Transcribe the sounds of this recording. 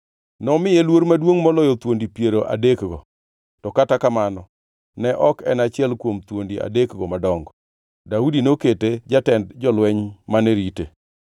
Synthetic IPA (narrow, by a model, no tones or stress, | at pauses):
nɔmɪjelwoɾmadwoŋmɔlɔjɔt̪wondipjeɾoʔa̰dekɡɔ | tɔkatakamanɔ | nɛʔɔkɛnat͡ʃɪɛlkwomt̪wondia̰dekɡɔmadɔŋɡɔ | daudinoketed͡ʒatɛndd͡ʒɔlwɛɲmanɛɾite